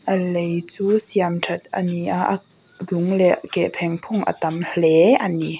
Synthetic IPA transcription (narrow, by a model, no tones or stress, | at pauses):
ʔalejt͡suːsjamtʰat̪̚ʔaniʔaʔa | luŋlɛʔkɛpʰɛŋpʰuŋʔa̰t̪amlɛʔani